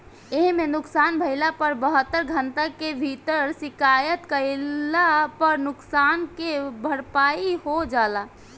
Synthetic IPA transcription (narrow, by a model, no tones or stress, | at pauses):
eɦmenʊksaːnbʱəɪlapəɾbəɦət̪ːəɾɡʱənt̪akebʱit̪əɾsɪkaːjət̪kəɪlapəɾnʊksaːnkebʱəɽpaiɦod͡ʒaːla